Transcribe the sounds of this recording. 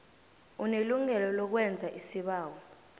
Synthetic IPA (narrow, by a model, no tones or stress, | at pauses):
uneluŋɛlɔlɔk̬wɛnd͡zʱaʔisiɓaːwɔ